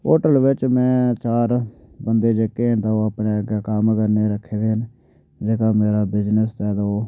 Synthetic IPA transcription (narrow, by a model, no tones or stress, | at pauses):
o̰ːʈəlʋɪt͡ʃmɛ̃ːt͡ʃaːɾbənd̪eːd͡ʒeːkeːt̪aːoːapneːəɡɛːkaːmkəɾneːɾəkʰːeːd̪eːɦn | d͡ʒeːkaːmeːɾaːbɪznəst̪ɛːd̪aoː